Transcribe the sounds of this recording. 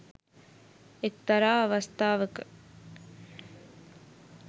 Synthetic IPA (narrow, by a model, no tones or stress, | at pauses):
ekt̪ɐɾaːɐʋɐst̪aːʋəkə̥